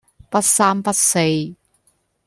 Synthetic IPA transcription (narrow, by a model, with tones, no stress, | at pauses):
pɐ˥t̚saː˥mpɐ˥t̚se˧j